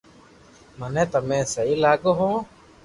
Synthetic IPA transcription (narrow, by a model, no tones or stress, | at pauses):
mənẽːt̪əmẽːsəiːlaːɡoːɦõː